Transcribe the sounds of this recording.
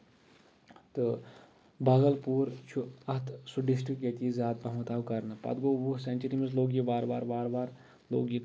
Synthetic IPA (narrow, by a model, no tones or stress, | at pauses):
t̪ɨ | bʱɐɡəlpuːɾt͡ʃʰuɐt̪ʰsuɖɪsʈɾikːet̪iizʲjaːd̪̚pɐɦmɐt̪aːwkɐɾnɨpɐ̰d̪ɡoːʋusɐnt͡ʃəɾimɐsloːɡjibaːɾbaːɾbaːɾbaːɾ | lo̰ːɡji